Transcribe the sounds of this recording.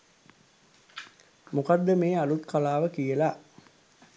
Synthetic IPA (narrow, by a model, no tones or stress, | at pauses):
mukad̪ːəmeːalut̪kalaːʋəkijəla